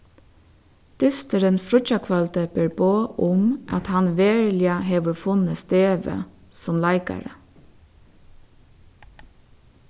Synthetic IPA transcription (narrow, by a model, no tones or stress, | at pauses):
d̪̥ʏst̪əɾənfɾʊc͡çɑkʰʋɑlt̪əbeɹboːʔʊmʔɑt̪hɑnʋeːɹlɪɑheːʋəfʊnəst̪eːʋə̰sɔmlæɪkɑ̰ɾə̰